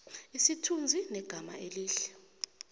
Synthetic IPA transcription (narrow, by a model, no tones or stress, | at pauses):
isitʰund͡zʱinɛɡ̥ʱama̰ʔeliːɬɛ̥